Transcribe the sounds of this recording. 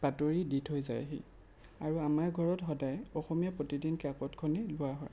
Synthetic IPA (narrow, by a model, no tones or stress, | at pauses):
b̥atoɹiditʰɦojza̰jɦḭ | aɹuamaɹɡʱɔɹɔtxɔdajɔxɔmijapɹotidinkakɔtkʰɔnilʊaɦɔj